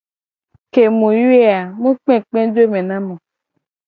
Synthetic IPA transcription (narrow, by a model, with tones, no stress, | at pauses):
ke˨mũ˨ju˦e˦a˨mũ˦k͡pɛ̃˦k͡pɛ̃˦d͡ʒe˦mẽ˨nã˦mɔ̃˨